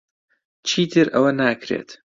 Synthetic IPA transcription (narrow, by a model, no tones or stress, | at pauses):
t͡ʃʰiːt̪ʰɨɾʔɐwɐnaːkʰɾḛːt̪ʰ